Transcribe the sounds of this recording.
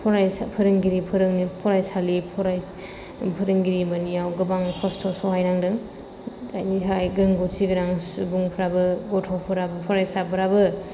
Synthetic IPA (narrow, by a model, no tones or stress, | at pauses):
pʰɔɾajspʰɐɾɯŋɡiɾipʰɯɾɯŋnipʰɔɾajsalipʰɔɾaj | pʰɐɾɯŋɡiɾimanijawɡɯbaŋkʰɔstʰɔsɔɦajɾaŋdɯŋ | dajniɦajɡɾɯŋɡosiɡɯɾaŋsubuŋpʰɾabɯɡɔtʰɔpʰɯɾabɯpʰɔɾajsapʰɯɾabɯ